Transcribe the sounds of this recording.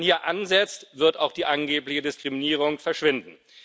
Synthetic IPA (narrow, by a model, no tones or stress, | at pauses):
nhiːɐʔanzɛt͡stv̥ɪɐta̰ʊxd̥iːʔanɡeːplɪçədɪskʁ̥iminiːʁ̞ʊŋfɛɐʃv̥ɪndn̩